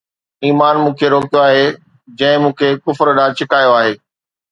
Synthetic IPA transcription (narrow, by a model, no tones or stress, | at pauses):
iːmaːnmũːkʰeɾoːkijoaːɦe | d͡ʑɐ̃ɦɪ̃mũːkʰekʊfɾɗaːɽt͡ɕɪkaːjoaːɦeː